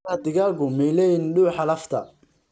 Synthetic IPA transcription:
ɐd̪ɪɣaːlkʰʊmɛjlɛːjɪnɗuːħɑlɐft̪ʰɐ̰

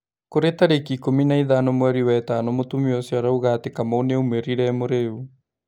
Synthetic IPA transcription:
koɾetaɾekikominaiðanomwɛɾiwɛtanomotumiɔsiaɾauɣatekamaoneumeɾiɾɛmoɾeu

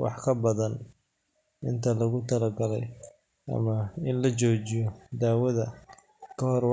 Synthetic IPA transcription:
wɑ̰ħkʰɐbɐðɐn | ɪnt̪ʰɐlɐɣʊt̪ʰɐlɐɡɐlɛ̰j | ʔɐ̰mɐɪnlɐt͡ʃɔːt͡ʃɪjɔd̪aːwɐðɐ | kʰɐhɔr

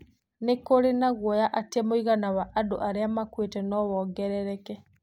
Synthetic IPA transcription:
nekoɾenaɣwɔjaʔatemoiɣanawaʔadoʔaɾeamakwetɛnɔwɔːɡɛɾɛɾɛkɛ

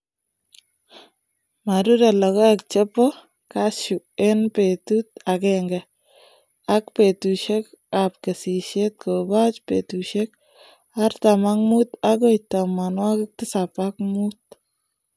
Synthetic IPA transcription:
maɾudalɔkɔak̚t͡ʃepɔ | kaʃu | enpetut̚akɛŋɡɛ | akpetuʃekap̚kesiʃet̪̚kobat͡ʃpḛtuʃek̚ | aɾtamaŋmutak̬ojtamanwakɪk̚tɪsapakmut̚

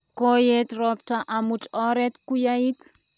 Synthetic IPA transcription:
kojetrɔp̚ʈ͡ʂaʔamuʈ͡ʂɔɾet̪kujait̪

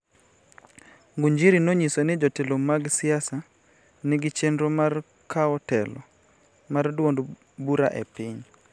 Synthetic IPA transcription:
ŋɡuɲd͡ʒiɾinoɲisonɪd͡ʒɔtelomaɡsɪasa | nɪɡɪt͡ʃendɾomar | kʰaɔtɛlɔ̰ | mardwond | buɾa̰ʔḛpɪɲ

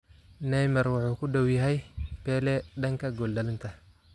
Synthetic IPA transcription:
nɛjmɐrwɑħuːkʰʊɖɐwjɐɦɛjpɛːlɛɖɐŋkʰɐɡɔlɖɐlɪnt̪ʰɐ

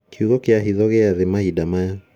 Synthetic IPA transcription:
kʰiuɣɔkeaɦiðɔɣeaðemaidamaja

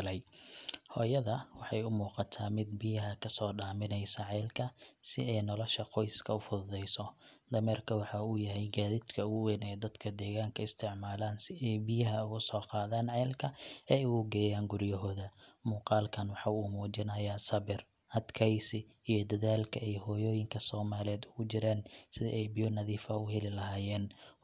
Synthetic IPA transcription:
lɛjhɔːjɐðɐwɑħɑjʊmuːqɑt̪ʰaːmɪd̪̚bɪjɐɦɐkʰɐsɔːɖaːmɪnɛjsɐʕɛjlkʰɐsɪ̰ɛjnɔlɔʃɐqɔjskʰɐʊfʊððɛjsɔd̪ɐmɛrkʰɐwɑħɑuːjɐɦɛjɡaːðɪd̪kʰɐʊɣʊwɛnɛːd̪ɐd̪kʰɐd̪ɛːɣaːŋkʰɐɪst̪ʰɪʕmaːlaːnsɪʔɛjbɪjɐɦɐʊɣʊsɔːqɑːðaːnʕɛːlkʰɐɛuːɡɛːjaːŋɡʊrjɐɦɔːðɐmuːqɑːlkʰɐnwɑħɑuːmuːt͡ʃɪnɐjasɐβɪr | hɐd̪kʰɛjsɪ | ijɞd̪ɐðaːlkʰɐʔɛjhɔːjɔːjɪŋkʰɐsɔːmaːlɪɛːd̪ʊɣʊt͡ʃɪɾaːnsɪðḭʔɛjbɪjɔnɐðiːfɐʊhɛlɪlɐɦaːjɛːn

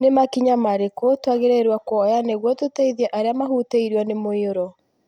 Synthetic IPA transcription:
nemakiɲamaɾekotwaɣeɾeɾwakwɔjaneɣwɔtotaiðiaʔaɾeamaɦuteiɾwanemoeoɾɔ

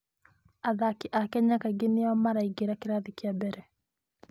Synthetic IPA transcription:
aðakiʔakɛɲakaɡeniamaɾaiɡeɾakiɾaðikiabɛɾɛ

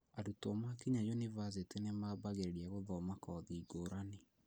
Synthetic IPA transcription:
adutɔmakiɲajunivas̬etenemaːbaɣeɾeɾiaɣoðɔmakɔːðiːɡoːɾane

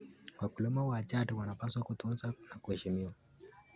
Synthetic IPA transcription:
wakulɔmawat͡ʃatuwanapaswakut̪unzanakuhɛʃimiwa

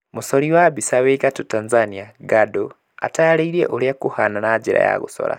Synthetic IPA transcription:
musoliwabisaweɣatutanzaniaɡado | a̰taaleiɾḛʔulijakuhananaɟiɾa̰ja̰ɣṵso̰ɾa̰

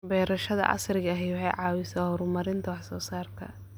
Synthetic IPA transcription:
bɛːɾɐʃɐðɐ̰ʔɑ̰srɪɣɐɦɛjwʊħɑjʕɑːwɪsahɔːɾʊmɐɾɪnt̪ʰɐwɑħsɔːsaːrt̪ʰɐ̰

